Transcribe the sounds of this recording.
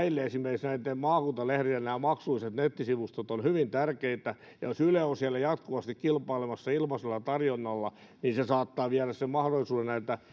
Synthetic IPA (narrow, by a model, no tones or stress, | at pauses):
ilːeesimerkisnæit̪ːemmɑːkunt̪ɑlehriennæːmɑksuiset̪net̪ːisiʋust̪ot̪onhyʋint̪ærkeit̪æ | jɑ̰josyleosiælːæjɑt̪kuʋɑst̪ikkilpɑilemɑsːɑilmɑselːɑt̪ɑrjonːɑlːɑ | ninsesɑːt̪ːɑːʋiæræssemɑhdolːˑisuːnennæit̪ːæ